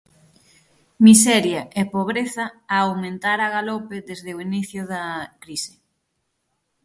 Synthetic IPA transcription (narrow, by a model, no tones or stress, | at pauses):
misɛɾjɐʔepoβ̞ɾeθɐːwmẽnt̪aɾɐɣalopɪðezðɪoiniθjʊðɐkɾisɪ̥